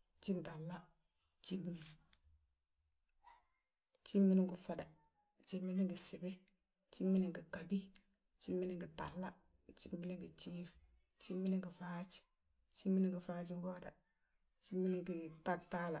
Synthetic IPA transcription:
t͡ʃi˦nda˨lːa˦ | t͡ʃi˦mːi˦ni˨ | t͡ʃi˦mːi˦ni˦ŋɡu˨fa˨da˨ | t͡ʃi˦mːi˦ni˦ŋɡi˨si˨bi˦ | t͡ʃi˦mːi˦ni˦ŋki˨ka˨bi˦ | t͡ʃi˦mːi˦ni˦ŋɡi˨ta̰˨lːa˦ | t͡ʃi˦mːi˦ni˦ŋɡi˨t͡ʃiːf | t͡ʃi˦mːi˦ni˦ŋɡi˨faːt͡ʃ | t͡ʃi˦mːini˦ŋɡi˨fat͡ʃi˦ŋɡo˦da˨ | t͡ʃi˦mːi˦ni˦ŋki˨ta˦k̚ta˦la˨

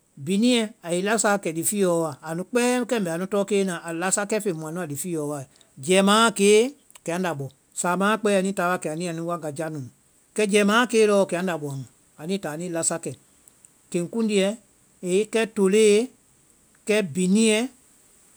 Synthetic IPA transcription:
bi˨nĩ˦ɛ˨a˨i˨˦la˦sa˦˨kɛ˨di˨fiː˦jɔː˨˦wa˨a˨nũ˧k͡pɛː˦kɛ˦m̩˨bɛ˨nũ˦tɔː˦keː˦nã˨ʔa˨la˦sa˦kɛ˦fe˨mũ˨ã˨nũ˦a˨di˨fiː˦jɔː˨˦wa˨e˨ | d͡ʒɛː˨˦mãː˦˨keː˨˦ | kɛ˨ã˨˦n˦da˨ɓɔ˨ | saː˨mãː˨˦˨k͡pɛː˦a˨nĩː˦taː˨˦wa˧˦kɛ˨a˨nĩ˦a˨nĩ˦wa˦ŋ˨ɡa˨d͡ʒa˦nũ˨ | kɛ˦d͡ʒɛː˨˦mãː˦˨keː˦lɔ˦˨kɛ˨ã˨˦n˦da˨ɓɔ˨ã˨ŋ˨ | a˨nĩ˦taː˨˦nĩː˦la˧sa˧kɛ˨ | kẽ˨ŋ˨kũ˦n˦di˧ɛ˧ | e˨˦kɛ˦to˨leː˦e˦ | kɛ˦bi˨nĩ˦ɛ˦

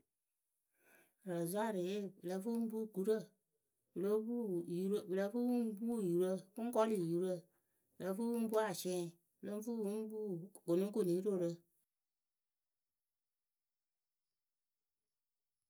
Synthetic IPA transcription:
ɾa˨za˦˨ɾe˨je˦˨blə˧fu˦bu˦˨ɡu˨ɾə˦˨ | blo˦bu˦ju˦ɾbɨ˨lə˧˦fu˦wu˦m˦bu˦˨ju˨ɾə˦ku˦ŋ˦kɔ˦li˨ju˨ɾə˦˨ | bɨ˨lə˧˦fu˦wu˦bu˦a˨sɛ̃˦˨ | blo˦fu˦wu˦bu˦ɡo˨nũ˦ŋ˦ko˦˨nĩ˨ji˦ɾo˦˨ɾə˧

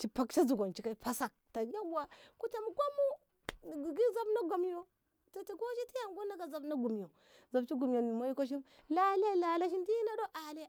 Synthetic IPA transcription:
t͡ʃi˨pa˨kt͡ʃa˦zu˨ɡo˨nt͡ʃi˨ka˦˨˦pa˦sa˨k̚ta˨ɡa˦ɡa˨ku˦ta˨mu˦ɡo˦mu˦˨ | ɡi˨ɡi˦za˦bna˦ɡo˨mjo˦ | ta˨ti˨ɡo˦ʃi˦ti˦ja˨ŋɡo˦na˦ɡa˨za˨bna˦ɡu˨m˨jo˨ | za˨bt͡ʃi˦ɡu˨m˨jo˨n˨ma˦ji˦ko˦ʃ̬i˦mla˦la˦la˨la˦ʃi˦ndi˦na˦do˦ʔa˨li˦˨

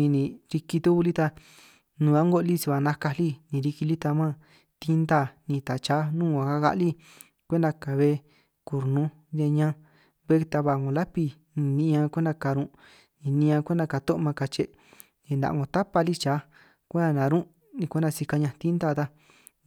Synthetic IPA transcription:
ĩ˧nĩ˨˧ɾi˧ki˧t̪u˦ku˧li˦t̪a˧ | nũ˧a˦ŋɡo˦˧li˦si˧βa˧˨nã˧ka˧li˦nĩ˨˧ɾi˧ki˧li˦t̪a˧mã˦ | t̪i˦nd̪a˧˨nĩ˧t̪a˨t͡ʃa˨˦nũː˦˨ã˨˧ka˦ɣa̰˧ʔli˦ | kʷe˦nd̪a˧ka˨βe˦ | ku˨ɾnũ˦ | de˧ɲã˧ | βe˦˧t̪a˧βa˧˨ŋɡõ˧la˦pi˧ | nĩ˧nĩ˧ʔã˧kʷe˦nd̪a˧ka˨˧ɾũ˧ | nĩ˧nĩ˧ã˧kʷe˦nd̪a˧ka˨˧t̪õ˦ʔmã˧ka˧t͡ʃe˧˨ | nĩ˧nd̪a̰˨ʔŋɡõ˧t̪a˦pa˧li˦t͡ʃaː˨˦ | kʷe˦d̪a˧nã˨˧ɾũ˦ | nĩ˧kʷe˦nda˧si˧ka˧ɲã˧t̪i˦nd̪aː˦˧t̪a˧

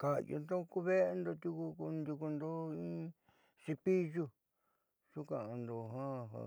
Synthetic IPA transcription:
ka˧˨jo̰˧nd̪o˦ku˦βe˦e˧nd̪o˧t̪ʲu˧ku˧ku˧nd̪u˧ku˧nd̪o˦ĩ˦ | si˧pi˦ʒu˧ | ʂu˦kã˨ã˧nd̪o˧ɦã˦˧ɦa̰˨˧

